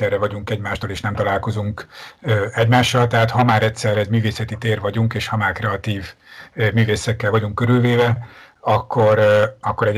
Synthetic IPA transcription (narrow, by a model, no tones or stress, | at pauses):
ɛrːɛvɒɟuŋkɛɟmaːʃt̪oːleːʃnɛmt̪ɒlaːlko̞zuŋkøːɛɟmaːʃːɒlt̪ɛɦaːt̪hɒmaːɾɛtʲsɛrɛzmyːveːsɛt̪it̪eːrvɒɟuŋkeːʃhɒmaːrkrɛɒt̪iːv | myːveːsɛkːɛlvɒɟuŋkːøɾylveːvɛ | ɒkːoɾɒkːo̞ɾɛɟ